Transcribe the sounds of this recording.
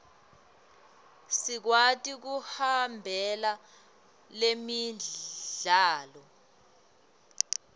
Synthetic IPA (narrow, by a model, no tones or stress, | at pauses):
sik̬watʼik̬uhambʱɛla | lemi | ɮaːlɔ